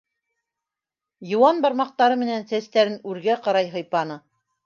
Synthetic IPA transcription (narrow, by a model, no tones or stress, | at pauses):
jɤ̆wɑnbɑɾmɑq̚t̪ɑɾɤmɘ̆nænsæst̪æɾɘnʉɾɡæqɑɾɑjɦɤ̆jpɑnɤ